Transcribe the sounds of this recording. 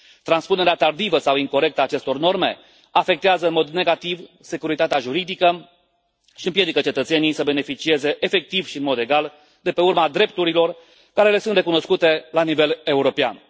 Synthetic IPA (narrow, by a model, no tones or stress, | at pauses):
t̪ɾanspune̞ɾeat̪ard̪ivəsawiŋko̞ɾe̞k̚t̪əaːt͡ʃe̞st̪o̞rno̞rme̞ | afe̞k̚t̪eazəɨnmo̞d̪ne̞ɡat̪ivse̞kuɾit̪at̪eaʒuɾid̪ikə | ʃiɨmpje̞d̪ikət͡ʃe̞t̪ət̪se̞nijsəbe̞ne̞fit͡ʃie̞ze̞ʔefe̞k̚t̪ivʃiɨnmo̞d̪e̞ɡal | d̪e̞pe̞urmad̪ɾe̞p̚t̪uɾilo̞r | kaɾe̞le̞sunt̪re̞kuno̞skut̪e̞lanive̞le̞uɾo̞pea̰n